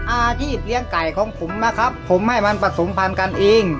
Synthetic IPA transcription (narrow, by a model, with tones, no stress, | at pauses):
ʔaː˧t͡ɕʰiː˥˩p̚li˧˥əŋka˨˩jkʰɔː˨˩˦ŋpʰo˨˩˦mla˦˥kʰa˦˥pʰːo˨˩˦mha˥˩jma˧npa˧so˨˩˦ŋpʰa˧nka˧nʔeː˧ŋ